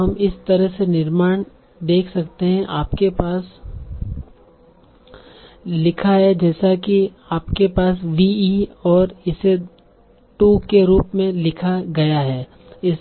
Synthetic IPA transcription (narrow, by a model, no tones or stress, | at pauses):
ɦɐmɪst̪ɐɾəɦsenɪɾmaːɽ̃ | d̪eːkʰsɐkt̪eɦɛ̃ʔaːpkepaːs | lɪkʰaɦɛd͡ʒɛːsaki | aːpkepaːsʋiːiːɔːɾɪse | ʈuːkeɾuːpmẽlɪkʰaɡɐjaɦɛː | ɪs